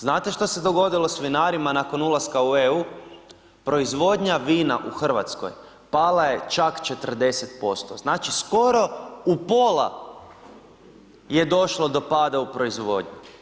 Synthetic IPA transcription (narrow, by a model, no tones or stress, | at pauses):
znaːt̪eʃt̪o̞se̞d̪o̞ɡo̞d̪ilo̞sʋinaːɾimanako̞nulˠaskaueu | pɾo̞izʋo̞d̪ɲaʋiːnaʔuxr̩ʋa̰t̪sko̰j | palaje̞t͡ʃakt͡ʃe̞t̪ər̩d̪e̞set̪po̞st̪o̞̰znaːt͡ʃisko̞ɾo̞upo̞la̰ | je̞d̪o̞ʃlˠo̞d̪o̞paːd̪aupɾo̞izʋo̞̰d̪ɲu